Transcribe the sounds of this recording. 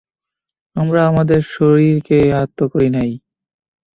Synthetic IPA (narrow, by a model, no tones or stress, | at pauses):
amɾaamad̪eɾʃoɾiɾkeaɦat̪ːokoɾinaj